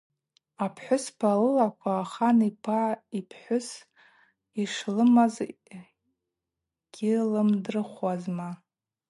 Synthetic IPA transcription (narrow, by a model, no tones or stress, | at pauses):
apʰħʷʊspʰalɨlakʷʰaːχanipʰaipʰħʷʊs | iʂlɨmaz | ɡ̥ʲilɨmdrɨχwazma